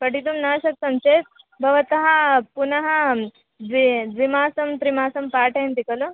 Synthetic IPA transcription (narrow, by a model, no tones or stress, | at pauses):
pɐʈit̪umnɐːʃɐksɐmt͡ʃeːt̪ | bʱɐʋɐt̪ɐɦɐpunɐɦɐ | d̪ʋid̪ʋimaːsɐmt̪ɾimaːsɐmpaːʈʰɐɦɐnt̪ikɐlu